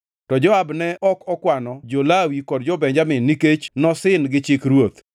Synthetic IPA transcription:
tɔd͡ʒɔabnɛɔkɔkwanɔd͡ʒolawikɔd̚d͡ʒɔbɛɲd͡ʒamɪnːiket͡ʃnɔsɪnɡɪt͡ʃɪkɾwot̪

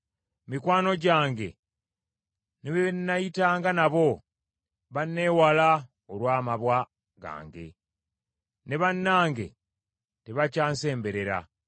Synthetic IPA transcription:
mikwaːno̞ɟaːŋɡe̞̰ | neβenːajitaːŋɡanaβo̞ | βanːe̞ːwala | olwaːmaβwa | ɡa̰ːŋɡe̞̰ | ne̞βanːaːŋɡe̞̰ | teβacaːnse̞ːmbe̞ɾe̞ɾa̰

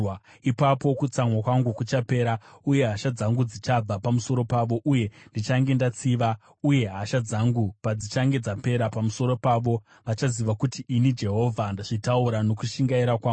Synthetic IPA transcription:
ipapo̞kut͡samwakwaŋɡukut͡ʃape̞ːɾauje̞ɦaʃad͡zaŋɡud͡zit͡ʃab͡vapamuso̞ɾo̞paʋo̞ʔuje̞ndit͡ʃaŋɡe̞ndat͡siʋa | uje̞ɦaʃad͡zaŋɡupad͡zit͡ʃaŋɡe̞d͡zape̞ɾapamuso̞ɾo̞paʋo̞ | ʋat͡ʃaziʋakutiinid͡ʒe̞ɦo̞vʱandaʐ̥itauɾano̞kuʃiŋɡaiɾakwaː

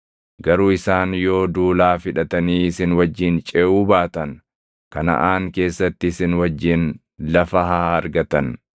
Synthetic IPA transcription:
ɡɐɾuːɪsaːnjo̞ːd̪uːlaːfɪᶑɐt̪ɐniːɪsɪnwɐd͡ʒːɪnt͡ʃʼeːʔuːbaːt̪ɐn | kɐnɐ̰ʔaːŋke̞ːsːɐt̪ːɪːsɪnwɐd͡ʒːɪn | lɐfɐɦaːɐɾɡɐt̪ɐn

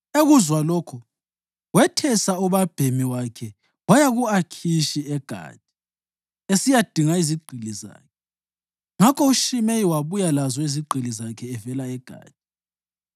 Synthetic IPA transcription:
eɣuzwaloːkʰu | wɛtʰɛsauβab̥ʱemiwakʰɛ | wajaɣuakʰiʃiɛɡ̥ʱa̰ːd̥̚ʱi̥ | esijad̥ʱiŋaiziɡ͡ǃʱiliza̰ːkʰɛ | ŋakʰɔuʃimeiwaβujalazɔiziɡ͡ǀʱilizakʰɛːvɛlaɛɡ̥ʱa̰ːd̥̚ʱi

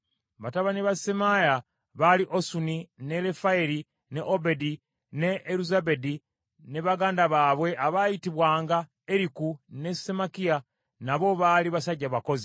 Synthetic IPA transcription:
βataβaniβasemaja | βaliʔosunine̞le̞faeɾi | ne̞ʔobedi | ne̞ːɾuzaβe̞di | ne̞βaɡaːndaβaːβwe̞ʔaβajitiβwaːŋɡa | eɾikune̞semakija | naβo̞βaːliβasaɟːaβako̞zi

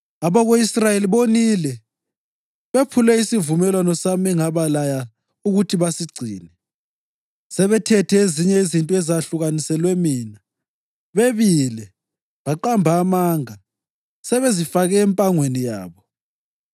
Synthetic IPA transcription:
aβaɣoisrajeliβonilɛ | βepʰulɛisivumɛlwanɔsamiŋaβalaja | uɣutʰiβasiɡ͡ǀʱiːnɛ | sɛβɛtʰɛtʰɛeziɲɛezintʼɛzaɬuɣanisɛlwɛmiːna | βeβilɛ | βaǃambʱaːmaːŋa | sɛβɛzifaɣɛːmpʼaŋwenija̰ːβɔ

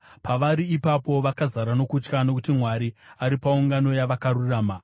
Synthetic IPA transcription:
paʋaɾiːpapo̞ʋakazaɾano̞kut͡ʃkano̞kutimwaɾiaɾipauŋɡano̞jaʋakaɾuraːma

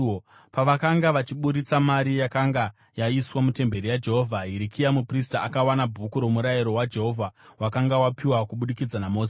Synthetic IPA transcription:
paʋakaŋɡaʋat͡ʃiɓuɾit͡samaɾijakaŋɡa | jaiswamute̞mbe̞rijad͡ʒe̞ɦovʱaɦiɾikʰijamupristaakawanabʱukuɾomuɾajiɾo̞wad͡ʒe̞ɦo̞vʱawakaŋɡawapiwakuɓuɗikid͡zanamo̞ːs

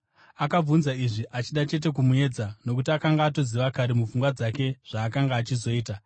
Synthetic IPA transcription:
akab͡vunzaiʐiʔat͡ʃiɗat͡ʃe̞t̬e̞k̬umue̞d͡zano̞k̬utiakaŋɡaːto̞ziʋakaɾemufuŋɡwad͡zake̞ʐ̥aːkaŋɡaːt͡ʃizo̞iːta

